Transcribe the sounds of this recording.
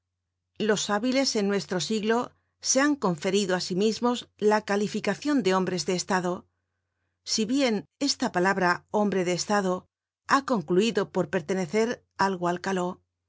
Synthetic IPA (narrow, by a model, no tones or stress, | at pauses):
lo̞saβile̞se̞nːwe̞st̪ɾo̞siɣlo̞ | se̞aŋko̞ɱfe̞ɾiðoasimizmo̞zlakalifikaθjo̞nd̪e̞o̞mbɾe̞zðe̞ːst̪aðo̞ | siβje̞ne̞st̪apalaβɾao̞mbɾe̞ðe̞ːst̪aðo̞ | ako̞ŋkluiðo̞po̞ɾpe̞ɾt̪e̞ne̞θe̞ɾ | alɣoalkalo̞